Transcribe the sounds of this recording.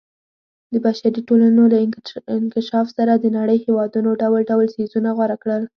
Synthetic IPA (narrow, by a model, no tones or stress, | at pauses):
d̪əbaʃaɾiʈolanolaɪɪnkɪʃɑfsaɾad̪ənaɽəjhewɑd̪unoɖawəlɖawəlsezunaɣwaɾakɽəl